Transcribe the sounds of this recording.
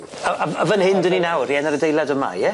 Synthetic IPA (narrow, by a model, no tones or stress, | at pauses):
əavəvənhɪndəninawriɛnəɾədejlˠadəma̰jɛ